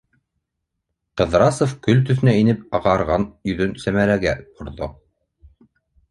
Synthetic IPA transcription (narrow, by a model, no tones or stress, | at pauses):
qɤ̆ðɾɑsofkɵlt̪̬ɵ̆θɘ̆næinɘpɑʁɑɾʁɑnjɵ̆ðɵnsæmæɾæɡæŏɾðo